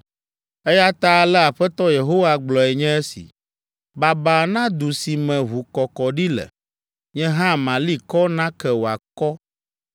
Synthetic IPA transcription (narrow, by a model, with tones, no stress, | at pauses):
e˦ja˦t̪a˦lɛ˦a˨ɸɛ˦t̪ɔ˦je˨ɦo˦wa˦ɡ͡blɔ˨ɛ˨ɲɛ̃˦e˦sḭ˨ | ba˨ba˨nã˦d̪u˨si˨mɛ̃˨ɦu˨kɔ˨kɔ˨ɖi˦lɛ̰˨ | ɲɛ̃˦ɦã˦˨mã˨li˦kɔ˦nã˦kɛ˦wo˨a˨kɔ˦